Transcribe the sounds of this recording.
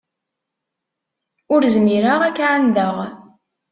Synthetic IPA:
ʊɾzmiɾaʁækːʕand̪əʁ

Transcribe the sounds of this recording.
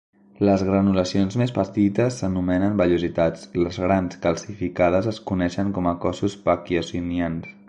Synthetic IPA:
ləzɣɾənuləsionzmespət̪it̪əsːənumɛnənbəʎuzit̪at͡sləzɣɾanskəlˠsifikað̞əzəskunɛʃəŋkɔməkɔsuspakiəsinians

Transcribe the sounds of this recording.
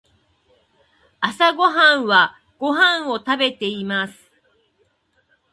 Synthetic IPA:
asaɡo̞ɦãɰ̃βa | ɡ̥o̞ɦãɰ̃o̞t̪abe̞t̪e̞imasɨ̥

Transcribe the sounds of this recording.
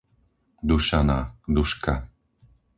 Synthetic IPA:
d̪uʃanad̪uʃka

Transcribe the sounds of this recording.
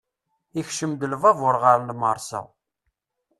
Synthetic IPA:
ixʃəmd̪əlvɑvʊɾʁəɾnməɾˤsæ̰

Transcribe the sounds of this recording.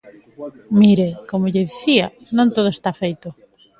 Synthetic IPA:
miɾekomoʎɪðiθia | nõŋt̪oðoest̪afejt̪o

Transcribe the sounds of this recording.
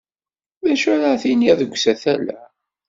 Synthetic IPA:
ðæʃʊɾaθiniðəɡʷːsæθælæ̰

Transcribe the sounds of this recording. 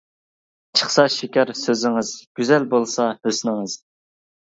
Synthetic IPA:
t͡ʃʰə̥χsɑʃikʲɑɾsøzɪŋɪzɡ̥ʲyzɛlbolˠsɑhøsnɪŋɨz̥

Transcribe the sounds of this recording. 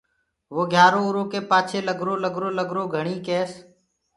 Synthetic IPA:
ʋoːɡʱjaːɾõːɾõːkeːpaːt͡ʃʰeːləɡʱɾoːləɡɾoːləɡʱɾoːɡʱəɳ̃iːkeːs

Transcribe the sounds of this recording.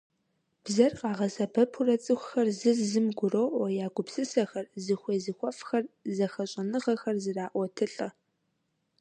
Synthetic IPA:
b̥zɐrqɑːʁɐsɐbɐpʰʊrɐt͡sʼɨxʷxɐrzɨzzɨmɡʷʊrowwɐjaːɡʷʊpsɨsɐxɐrzɨxʷejzɨxʷɔfxɐrzɐxɐɕʼɐnɨʁɐxɐrzɨraːʔʷɔtʰɨɬʼɐ

